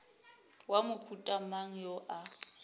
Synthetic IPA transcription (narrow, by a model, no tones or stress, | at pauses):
wamʊkʰutʼamaŋ̩jɔʔa